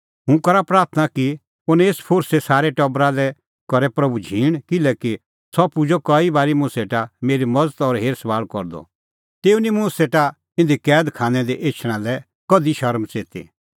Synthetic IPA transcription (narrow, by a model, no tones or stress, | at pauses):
ɦʊ̃kɐɾapɾaːɾt̪ʰnaki | ʊnɛ̃eːspʰoːɾsesaːɾɛʈɐbɾalɛ | kɔɾɛpɾɐbud͡ʒʱiːɽ̃kɪlɛːki | sɔpud͡ʒɔkɐibaːɾimʊ̃seːʈameːɾimɐd͡zt̪ɔɾɦeːɾsʋaːlkɔɾd̪ɔ̰ | t̪eːunimʊ̃seːʈa | ɪ̃nd̪ikɛːd̪kʰãːnɛ̃d̪iʔeːt͡ʃʰɽ̃ãlɛ | kɔd̪iʃɐɾmt͡seːt̪ḭ